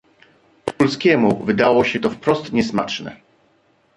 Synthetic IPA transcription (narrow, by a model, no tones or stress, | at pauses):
pɔlskʲɛmuvɘd̪awɔɕɛt̪ɔfpɾɔst̪ɲɛsma̰t͡ʂnɛ̰